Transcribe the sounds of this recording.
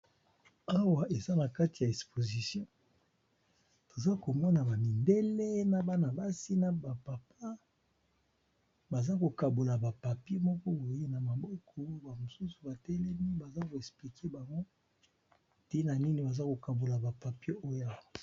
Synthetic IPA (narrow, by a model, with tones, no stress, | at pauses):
a˦wa˨ʔe˨za˦na˨ka˦ti˨ja˨e˨kspo˨zi˨sjɔ̃˦ | to˨za˦ko˨mɔ˦na˨ba˨mi˨nde˦le˦na˨ba˦na˨ba˦si˦na˦ba˨pa˨pa˦ | ba˨za˦ko˨ka˨bo˨la˨ba˨pa˨pje˦mɔ˦kɔ˦bo˨je˦na˨ma˨bɔ˦kʰɔ˦ba˨mo˨su˦su˨ba˨tɛ˦lɛ˦mi˦ba˨za˦ko˨ɛ˨spli˨kʰe˦ba˨ŋɡo˦ | te˦na˨ni˦ni˨ba˨za˦ko˨ka˨bo˨la˨ba˨pa˨pe˦ʔo˦ja˦˨